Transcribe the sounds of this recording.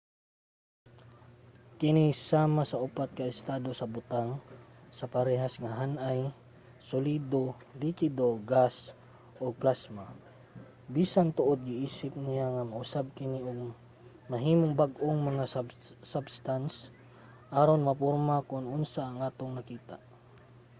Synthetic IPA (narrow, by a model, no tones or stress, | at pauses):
kɪnisaːmasɐʔʊpat̪̚kɐɪst̪aːd̪o̞sɐbʊt̪aŋsɐpɐɾɛɦasŋaɦanʔaj | sʊliːd̪o | likwɪd̪oɡas | ʔoɡ̚plasma | biːsant̪ʊʔod̪̚ɡɪʔiːsɪp̚nɪjaŋamaʔʊsab̚kɪniʔoɡ̚ | mɐɦiːmoŋbaɡʔoŋmɐŋa | sabst̪ans | ʔaːɾonmɐpoɾmakʊnʔʊnsaːŋʔaːt̪oŋnɐkiːt̪a̰ʔ